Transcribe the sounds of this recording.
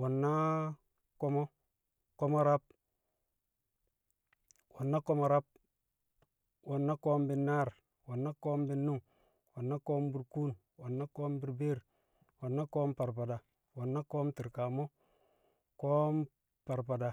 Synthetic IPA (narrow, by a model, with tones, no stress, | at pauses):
wo˨nːa˦ | ko˦mo˦ | ko˦mo˦ɾa˦p̚ | wo˨nːa˦ko˦mo˨ɾa˦p̚ | wo˨nːa˦koː˦mbi˦nːa˦ɾ | wo˨nːa˦ko˦mbi˦nːu˦ŋ | wo˨nːa˦ko˦mbi˨ɾku˦n | wo˨nːa˦koː˦mbi˦ɾbe˦ɾ | wo˨nːa˦ko˦mpa˨ɾpa˨da˨ | wo˨nːa˦ko˦mti˨ɾka˨mo˦ | ko˦m | pa˨ɾpa˨da˨